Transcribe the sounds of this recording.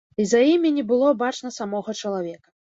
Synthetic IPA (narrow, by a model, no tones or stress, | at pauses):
izajimʲinʲibɨlˠɔbat͡ʂnɐsamɔɣɐt͡ʂɐlˠavʲɛkɐ̥